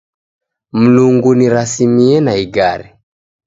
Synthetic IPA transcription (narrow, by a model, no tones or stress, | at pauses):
m̩luŋɡuniɾasimiɛnaiɡaɾi